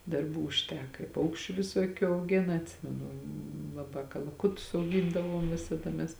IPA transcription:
dɐrˈbuː ʊʃʲˈtʲæːkɐ ɪ ˈpɐʊkʃʲt͡ʃʲʊ ʋʲɪˈsoːkʲʊ ɐʊˈɡʲeːnɐ ɐtʲˈsʲɪmʲɛnʊ lˠɐˈbɑː kɐlˠɐˈkʊtʊs ɐʊˈɡʲiːndɐʋoːm ˈʋʲɪsɐdɐ mʲɛs

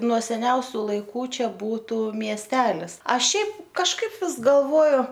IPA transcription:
nuɔ sʲɛˈnʲɛʊsʲʊ lˠɐɪˈkuː ˈt͡ʃʲɛ ˈbuːtʊ mʲiɛsʲˈtʲæːlʲɪs ˈɐʃ ˈʃʲɛɪp kɐʃˈkɐɪp ˈʋʲɪs ɡɐlˠˈʋoːjʊ

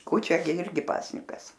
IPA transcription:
ˈkuːt͡ʃʲɛ ɡʲɪ ˈɪrʲɡʲɪ ˈpɑːsʲnʲɪkɐs

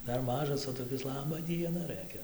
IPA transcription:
ˈdɐr ˈmɑːʒɐs oː toːˈkʲɪs ˈlˠɑːbɐ ˈdʲiɛnɐ ˈrɘkʲɛ

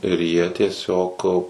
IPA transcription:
ɪr jiɛ tʲiɛˈsʲoːk

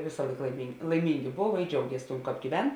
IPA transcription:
ˈʋʲeːsɐ ˈlˠɐɪk lˠɐɪmʲɪŋk lˠɐɪˈmʲɪŋʲɡʲɪ ˈboːw ɪ ˈd͡ʒʲɛʊɡʲiɛs tuɔm ˈkɑːp ɡʲiːˈʋʲɛn

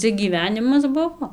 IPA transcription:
ˈt͡sʲɛ ɡʲiːˈʋʲæːnʲɪmɐs ˈbʊʋoː

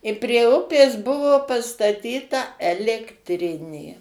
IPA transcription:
ɪ pʲrʲiɛ ˈʊpʲeːs ˈbʊʋoː pɐstɐˈtʲiːtɐ ɛlʲɛktʲˈrʲɪnʲeː

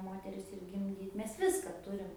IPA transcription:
ˈmoːtʲɛrʲɪs ɪr ɡʲɪmʲˈdʲiːt ˈmʲɛs ˈʋʲɪskɐ ˈtʊrʲɪm

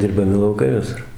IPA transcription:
dʲɪrbɐˈmʲɪ lˠɐʊˈkɐɪ ʋʲɪˈsʊr

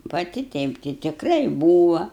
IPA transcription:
pɐˈtʲɪ ˈtʲɛɪp tʲɪ tʲɪkˈrɐɪ ˈbuːʋɐ

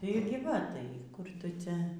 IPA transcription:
tɐɪ ɪr ɡʲɪ ˈʋɐ ˈtɐɪ kʊr ˈtʊ ˈt͡sʲɛ

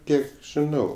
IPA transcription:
ˈkʲiɛk ʒʲɪˈnɐʊ

